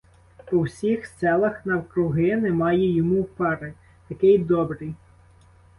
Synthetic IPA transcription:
ɔwsʲixssɛlˠɐxnɐwkɾʊɦɪnɛmɑjɛjɔmuwpɛɾe | t̪ɐkɪjd̪ɔbɾɪj

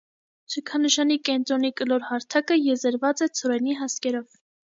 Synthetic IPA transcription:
t͡sʰujkʰɑnəʃɑnikɛnt̪ɾɔnikəlɔɾhɑɾt̪ʰɑkəjɛzəɾvɑt͡sɛt͡sʰɔɾɛniɦɑskɛɾɔv

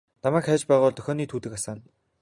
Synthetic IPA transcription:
namæːkχæːt͡ɕpæːʁʊːɮt̪œxʲɔːniːt̪ʰuːt̪ɘ̆kasaːn

